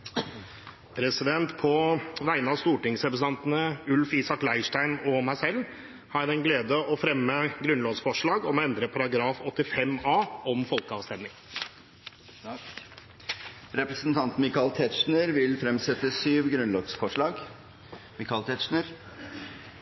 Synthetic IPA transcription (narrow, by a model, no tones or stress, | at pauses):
pʰɾɛsɪd̪ɛnt̪pʰɔʋæɪənɑst̪uːʈɪŋsɾɛpɾəsɑnt̪ənəʉlfiːsɑklæɪʂʈæɪnɔmæɪsɛlː | hɑd̪ɛnɡleːd̪əɔfɾɛmːəɡɾʉnloːɡsfɔʂɭɑːɡɔmɔɛnd̪ɾəpʰɑɾɑɡɾɑːfɔt̪ːɪfɛmɑːɔmfɔlkəɑʋst̪ɛnɪŋ | ɾɛpɾəsn̩t̪ʰɑnt̪mɪkɑlt̪ʰɛt̪ʂnəɾʋɪlfɾɛmsɛt̪ːəsyːʋɡɾʉnlɔːɡsfɔʂɭɑːɡ | mɪkɑlt̪ʰɛt̪ʂɳəɾ